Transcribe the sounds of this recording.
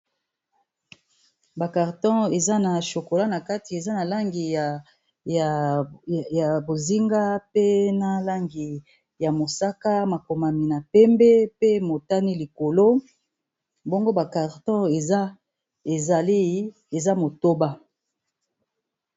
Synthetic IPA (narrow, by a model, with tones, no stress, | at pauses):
ba˨ka˨ʁtɔ̃˦e˨za˦na˨ʃo˨ko˨la˦na˨ka˦ti˨e˨za˦na˨la˦ŋɡi˨ | ja˨bo˨zi˦ŋɡa˦pe˦na˦la˦ŋɡi˨ | ja˨mo˨sa˦ka˦ma˨ko˨ma˨mi˨na˨pɛ˦mbɛ˦pe˦mo˨ta˦ni˦li˨ko˨lo˦ | bo˦ŋɡo˦ba˨ka˨ʁtɔ̃˦e˨a˦ | e˨za˨li˦ | e˨za˦mo˨to˦ba˦